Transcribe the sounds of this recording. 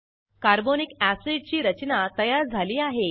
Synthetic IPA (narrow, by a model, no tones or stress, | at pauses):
kaɾbonikæsiɖ̚t͡ɕiːɾət͡ɕnat̪əjaɾd͡zʱaliːaɦe